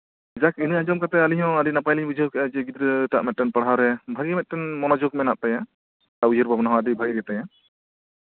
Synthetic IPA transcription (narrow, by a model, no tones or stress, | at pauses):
d͡ʒakinɯad͡ʒɔmkat̪ɛaliɲɦɔ̃adinapajliɲbud͡ʒʱəkɛʔad͡ʒɛɡid̪ɾətaʔmɛt̪̚ʈɛnpaɽ̤ɦawɾɛbʱaɡiɛmɛt̪̚ʈɛnmɔnad͡ʒɔkmɛnaʔ̚t̪ajã | taujəɾbʱabnaɦɔ̃adibʱaɡiɡɛt̪ajã